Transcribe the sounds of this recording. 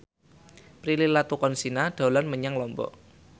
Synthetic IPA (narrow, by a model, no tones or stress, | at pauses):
pɾililat̪ukɔnsinaɖ̥a̤ulanməɲaŋlɔmbɔ̰ʔ